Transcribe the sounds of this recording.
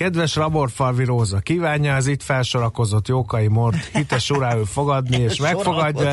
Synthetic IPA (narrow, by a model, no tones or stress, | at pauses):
kɛd̪ʋɛʃrɒbo̞rt̪fɒrviɾoːzɒkiːvaːɲːɒɛzit̪fɛlʃo̞ɾɒko̞zo̞t̪joːkɒjimo̞rt̪hit̪ɛʃuɾaːøːlfo̞ɡɒd̪nieːʃmɛkfo̞ɡɒɟːɒ